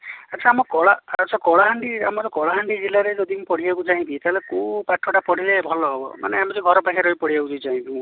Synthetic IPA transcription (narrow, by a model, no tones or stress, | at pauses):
at͡ʃʰaːmɔkɔɭaat͡ʃʰakɔɭaɦaɳɖia̰mɔt̪ɔkɔɭaɦaɳɖid͡ʒilaɾed͡ʒɔd̪ʱimũpɔɽiakut͡ʃaɦĩt̪it̪aɦelekupaʈʰːɔʈapɔɽ̤ilebʱɔlɔɦɔbɔ̰ma̰neamɔt̪iɡʱɔɾɔpakʰaɾɔipɔɽ̤iakud͡ʒɔt͡ʃaɦĩnt̪imũ